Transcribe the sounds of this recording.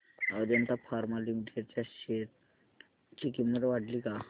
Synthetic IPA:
əɾant̪afʰaɾmalimiʈeɖt͡ɕjaɕet̪̚ | t͡ɕikimnət̪eʋaʈliːka

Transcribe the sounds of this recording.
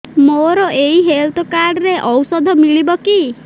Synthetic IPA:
moɾɔʔeiɦelt̪ʰɔkaɾɖɾeʔɔwsɔd̪ʱɔmiɭibɔki

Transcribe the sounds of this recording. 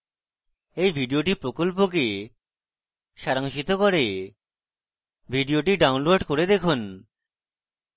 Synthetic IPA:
ejbʱiɖioʈipɾokolp̬ok̬e | ʃaɾaŋʃit̪okoɾe | bʱiɖioʈiɖawnloɖkoɾed̪ekʰun

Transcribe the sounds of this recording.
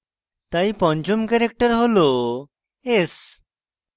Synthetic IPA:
t̪aipɔ̃ɲd͡ʑumkɛɾek̚ʈəɾɦolo | es

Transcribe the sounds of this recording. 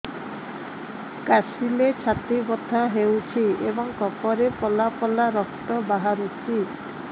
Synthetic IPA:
kasilet͡ʃʰat̪ibɔt̪ʰaɦewt͡ʃʰiebɔŋkɔpɔɾepɔlapɔlaɾɔkt̪ɔbaɦaɾut͡ʃʰi

